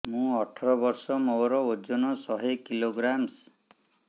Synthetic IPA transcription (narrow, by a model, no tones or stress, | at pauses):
mũɔʈʰɔɾɔbɔɾsɔmowɾɔod͡ʒɔnɔsɔɦekiloɡɾams